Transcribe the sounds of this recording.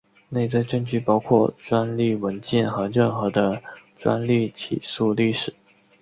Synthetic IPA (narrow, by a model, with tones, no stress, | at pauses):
ne˥˩ɪt͡s̩˥˧ʈ͡ʂə˥nt͡ɕy˥˩pɑ˥ʊkʰwɔ˥˩ʈ͡ʂwa˥nli˥˩wə˧˥nt͡ɕjɛ˥˩nxɤ˧˥ɻə˥˩nxɤ˧˥d̪ə˧ʈ͡ʂwa̰˥nli˥˩t͡ɕʰḭ˨˩su˥˧li˥˩ʂɻ̩˨˩˦